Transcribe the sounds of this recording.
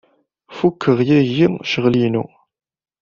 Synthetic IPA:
fukʰːəʁjæʝiʃəʁlinṵ

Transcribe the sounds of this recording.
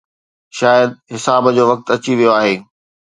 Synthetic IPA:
ʃaːjəd̪̚ɦɪsaːbd͡ʑoːʋɐk̚t̪ɐt͡ɕiʋijoaːɦeː

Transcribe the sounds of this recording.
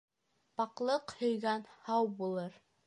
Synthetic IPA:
pɑqlˠɤqhɵ̆jɡænhɑwbulˠɤɾ

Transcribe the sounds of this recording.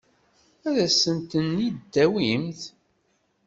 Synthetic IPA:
æðæsənt̪ənːid̪ːæwimθ

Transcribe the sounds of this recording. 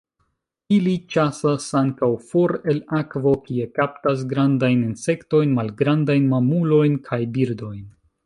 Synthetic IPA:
ilit͡ʃasasaŋkawfoɾe̞lakvo̞kie̞kap̚tas̬ɡɾandajninse̞kto̞jnmalɡɾandajnmamulo̞jnkʰajbiɾdo̞jn

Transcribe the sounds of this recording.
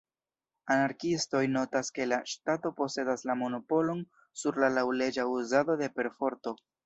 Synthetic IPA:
anaɾkisto̞jno̞taske̞laʃtato̞po̞se̞daslamo̞no̞po̞lo̞n | suɾlalawle̞d͡ʒauzado̞de̞pe̞ɾfo̞ɾto̞

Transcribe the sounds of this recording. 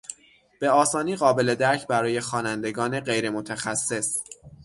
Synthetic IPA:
b̥e̞ɒːsɒːniːɣɒːbe̞le̞d̪æɾcʰbæɾɒːje̞xɒːnænd̪e̞ɡɒːne̞ɢe̞jɾe̞mo̞t̪ʰæxæsːe̞s

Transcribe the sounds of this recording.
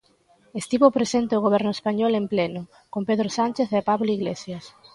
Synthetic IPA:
est̪iβopɾesent̪eʊɣ̞oβ̞ɛɾnʊespaɲɔlemplenʊ | kompeðɾosanʲt͡ʃeθepaβloiɣlesjas

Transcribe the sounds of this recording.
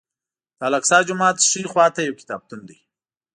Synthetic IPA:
d̪̥aːlaksɑːd͡ʒʊmɑːt̪ʂixwɑːt̪ajawkɪ̥t̪ɑːb̚t̪und̪ij

